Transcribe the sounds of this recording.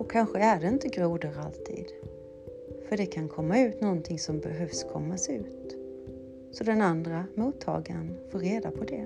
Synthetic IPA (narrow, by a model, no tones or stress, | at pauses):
ɔkʰanɧəæɖɛɪnt̪əɡɾuːd̪əɾalt̪ʰḭːd̪ | fœɖɛkʰankʰɔmːaʉ̟ːt̪nɔnt̪ʰɪŋsɔmbɛɦœvskʰɔmːasɛʉ̟ːt̪ | sɔd̪ɛnand̪ɾamuːt̪ʰːɑ̰ːɡanfoːɾːeːd̪apʰɔd̪ɛ